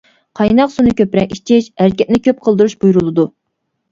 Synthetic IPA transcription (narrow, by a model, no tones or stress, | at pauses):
qʰɑjnɑqsunɨkʲøpɾɛŋiʃt͡ʃʰɪʃhæɾkʲɛt̪̚nɪkʲøp̚qʰəlˠd̪ɨɾuʃb̥ujuɾulˠɨd̪u